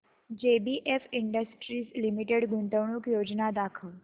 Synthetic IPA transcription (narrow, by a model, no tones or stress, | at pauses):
d͡ʒebiʔefiɳɖəsʈɾislimiʈeɽɡũnt̪əʋɳukjod͡ʒnad̪akʰəl